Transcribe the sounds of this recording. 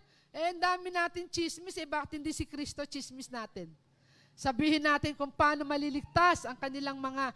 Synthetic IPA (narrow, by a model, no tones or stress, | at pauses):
ʔɛʔɐnd̪aːmɪnaːt̪ɪnt͡ʃismɪsɛjbaːkɪt̪hɪnd̪isɪkɾist̪o̞t͡ʃismɪsnaːt̪ɪn | sɐbiːhɪnːaːt̪ɪnkʊŋpaːno̞mɐlilɪɡ̚t̪asʔɐŋkɐnɪlaŋmɐŋa